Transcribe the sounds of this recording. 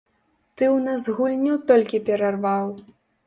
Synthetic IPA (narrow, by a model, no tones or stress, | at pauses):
t̪ɨwnazɣulʲnʲiwt̪ɔlʲkʲipʲɛɾarvaw